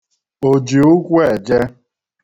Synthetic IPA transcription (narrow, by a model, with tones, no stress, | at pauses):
o˨d͡ʒi˨ʊ˦kʷe˨d͡ʒe˦